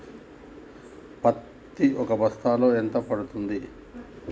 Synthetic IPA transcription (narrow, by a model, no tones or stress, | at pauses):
pɐt̪ːiʔɔkɐbɐst̪aːlo̞ːent̪ɐpɐɽut̪und̪i